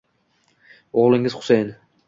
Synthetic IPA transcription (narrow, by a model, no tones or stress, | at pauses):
oʁlˠɪŋɪz̥χʊ̥sejn